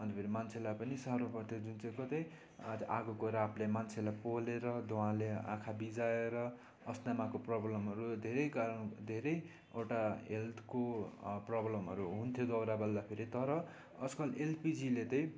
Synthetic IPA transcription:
ʌnt̪epʰeɾimant͡sʰelajpʌnisaɾopʌrt̪ʰjod͡zunt͡sʌj̃kʌt̪ʌj | t̪ʔaɡukoɾaplemant͡sʰelajpoleɾʌd̪oãleã̰kʰabid͡zaeɾʌ | ʌsnamakoprʌblʌmɦʌɾud̪ʱeɾʌjkaɾʌnd̪ʱeɾʌj | eʈaɦelt̪koprʌblʌmɦʌ̰ɾuɦunt̪ʰjod̪ʌwɾabʌld̪apʰeɾit̪ʌɾʌ | ʌskʌlelpid͡zilet̪ʌ̃j̃

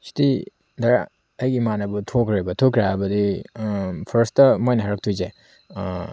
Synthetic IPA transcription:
si̥ti | daɾa | ɐjɡimanɐbutʰokɾebɐtʰokɾaabɐdi | pʰɐɾstɐmojnɐɦaɾɐk̚tʰujze

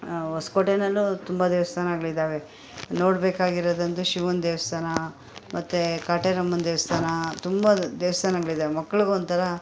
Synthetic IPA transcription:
oskoʈenɐlːut̪umbɐd̪eːʋɐst̪ʰaːnɐɡɐɭid̪aːʋe̞ | no̞ːɽbeːkaːɡiɾod̪ɐnt̪uʃiʋɐnd̪eːʋɐst̪ʰaːnɐ | mʔɐt̪ːukaːʈeɾɐmːɐnd̪eːʋɐst̪ʰaːnɐt̪umbɐd̪eːʋɐst̪ʰaːnɐɡɐɭid̪aːʋemɐkːɐɭuɡuond̪t̪ʰɐɾɐ

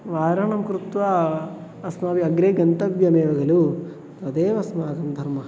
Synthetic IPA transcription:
ʋaːɾɐɳɐmkɾut̪ʋaː | ɐsmaːʋiɐɡɾeːɡɐnt̪ɐbjɐmeːʋɐɡɐlu | t̪ɐd̪eːʋɐsmaːɡ̪ɐmd̪ʱɐɾmɐɦɐ

